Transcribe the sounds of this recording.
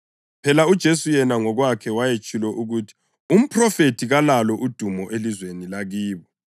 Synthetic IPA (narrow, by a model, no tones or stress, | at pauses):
pʰɛlaud̥ʒ̥ʱesujɛnaŋɔɣwakʰɛwajet͡ʃʼulɛʔuɣutʰi̥ | um̩pʰrɔfetʰiɣalalɔʔud̥ʱumɔʔelizwenilaɣiːβɔ